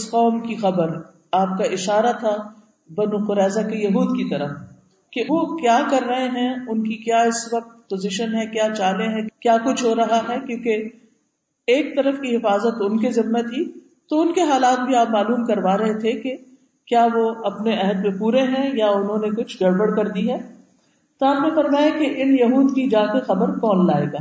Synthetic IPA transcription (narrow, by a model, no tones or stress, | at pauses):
ɪsqɔːmkixɐbəɾ | aːp̚kaʔɪʃaːɾat̪ʰa | bɐnũqʊɾɛːzakejɐɦuːd̪kit̪ɐɾəf | keʋokjaːkɐɾːɐɦẽɦɛ̃ʊnkikjaːɪsʋɐq̚t̪pozɪʃənɦɛ̃kjaːt͡ʃaːlẽɦɛ̃kjaːkʊt͡ʃʰɦoːɾɐɦaɦɛkjũːke | eːk̚t̪ɐɾəfkiɦɪfaːzət̪ʊnkizɪmːet̪ʰi | t̪oʊnkeɦaːlaːt̪̚bʱiaːpmaːluːmkɐɾʋaːɾɐɦet̪ʰeke | kjaːʋoɐpneɛɦəd̪mẽpuːɾeɦɛ̃jaʊnɦõːnekʊt͡ʃʰɡɐɽbəɽkɐɾd̪iɦɛː | t̪oaːpnefɐɾmaːjakeʔɪnjɐɦuːd̪kid͡ʒaːkexɐbəɾkɔːnla̰ːḛːɡaː